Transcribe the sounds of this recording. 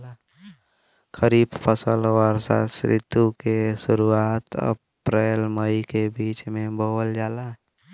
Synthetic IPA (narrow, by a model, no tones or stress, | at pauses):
kəɾiːbpʰəsəlʋəɾsa̰sɾɪ̰t̪ukesʊɾuaːt̪ə̰ | pɾeːlməikebiːt͡ʃmẽboːld͡ʒaːla